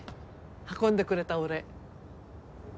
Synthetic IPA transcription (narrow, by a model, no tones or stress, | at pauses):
hakõnd̪e̞kɯ̟ɾe̞t̪aɯɾe̞